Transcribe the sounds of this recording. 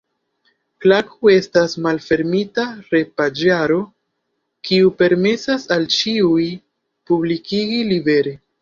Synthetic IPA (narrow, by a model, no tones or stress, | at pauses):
klakʰue̞stasmalfe̞ɾmitaɾe̞pad͡ʒaɾo̞ | kiupe̞ɾme̞sasalt͡ʃiuj | publikiɡilibe̞ɾe